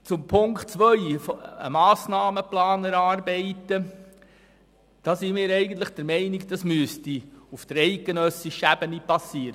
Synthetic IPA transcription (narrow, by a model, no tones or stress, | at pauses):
t͡sʊmpʰʊŋktt͡sʋœʏfɔə̰mɑːsnɑːməplɑːnəɾɑːɾbɛɪtə | d̥ɑːsimɪːɾɛɪɡən̩t̪ləχd̥əɾmɛɪnikd̥̪ɑsmyəstiufd̪̥əɾɛɪk̚ɡ̥enœsiʃæb̥ənipɑsiːəɾə